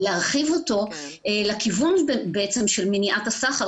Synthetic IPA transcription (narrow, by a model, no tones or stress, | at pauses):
leaʁχivoto̞ | elakivunbbeʔet͡semʃelminiʔatasaχaʁ